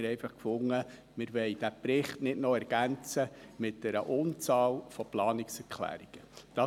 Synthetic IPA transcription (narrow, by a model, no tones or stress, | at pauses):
ɾɛjfɑχkfʊŋːə | mɪɾʋɛɪd̥æpɾɪχtnɪdnɔɛɾɡ̥ænt͡səmɪt̚d̥ɛɾəʔʊnt͡sɑːlfɔplɑːnɪksɛɾkʰlæ̰ːɾiɡ̥əd̥ɑ